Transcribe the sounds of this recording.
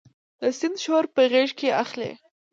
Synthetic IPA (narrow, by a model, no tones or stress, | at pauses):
d̪əsɪnd̪ʃoɾpəɣeʐkeaxlḛ